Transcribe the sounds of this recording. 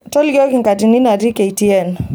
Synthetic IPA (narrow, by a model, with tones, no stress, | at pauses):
tɔ˦lɡɔ˦ki˨ŋka˨ti˨ni˦na˨di˦kɛ˨itiɛn